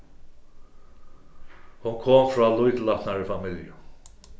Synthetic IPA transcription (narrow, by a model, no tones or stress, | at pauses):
hʊnkʰoːmfɹɔːlʊjt̪latnaɹɪfamɪljʊ